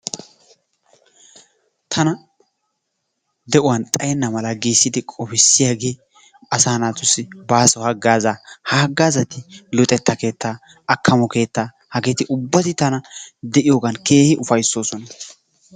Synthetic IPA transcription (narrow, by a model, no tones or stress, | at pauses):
t̪ʰɐnɐ | d̪ɛʔʊwɐnt̪ʼɐjɛnːɐmɐlɐɡiːsːɪd̪ɪkʼɔfɪsːɪjaːɡe̞ː | ɐsaːnaːt̪ʊsɪbaːsɔhɐɡːaːzahɐɐɡːaːzɐt̪ɪlɔt̪ʼɛt̪ːɐke̞ːt̪ːaː | ɐkːɐmɔke̞ːt̪ːaː | hɐɡɛt̪ɪʔʊbːɐt̪ɪt̪ɐnɐd̪ɛʔɪjo̞ːɡɐnke̞ːhɪʔʊfɐjsːo̞ːsɔnɐ